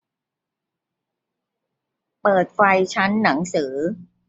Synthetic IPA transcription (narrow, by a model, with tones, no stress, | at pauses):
pɤː˨˩t̪̚fa˧jt͡ɕʰa˦˥nːa˩˦ŋsɯː˩˦